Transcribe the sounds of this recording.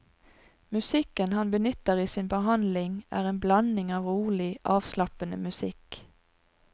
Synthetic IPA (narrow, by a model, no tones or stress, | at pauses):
mʉsɪkənhɑnbənʏt̪əʁiːsiːnbəɦɑnd̪lɪŋʔæ̰ːʁeːnblɑnɪŋɑːʋʁuːlɪʔɑːʋslɑpənə̰mʉsɪk